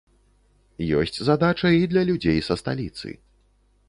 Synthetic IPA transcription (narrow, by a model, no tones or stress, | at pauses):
jɔ̰sʲt͡sʲzad̪at͡ʂɐid̪lʲɐlʲud͡zʲejsɐst̪a̰lʲit̪sɨ̰